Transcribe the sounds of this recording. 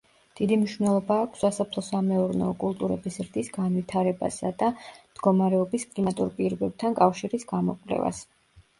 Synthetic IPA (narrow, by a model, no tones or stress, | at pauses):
d̪̥id̪imniʃvnɛlˠɔbaːkʷʰsːasapʰlˠɔsamɛuɾnɛɔkʼulˠt̪ʼuɾɛbisɾd̪isɡanvwit̪ʰaɾɛba̰sa̰d̪amd̪̥ɡɔmaɾɛɔbiskʼlimat̪ʼuɾpʼiɾɔbɛb̥̚t̪ʰankʼafʃiɾisɡ̥amɔkʼlɛ̰va̰s